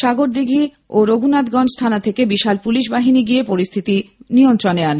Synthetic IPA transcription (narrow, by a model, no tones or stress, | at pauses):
ʃaɡoɾd̪iɡʱi | oɾoɡʱunat̪ɡɔnd͡ʑst̪ʰanat̪ʰekebiʃalpuliʃbaɦiniɡijepoɾist̪ʰit̪iniont̪ɾonean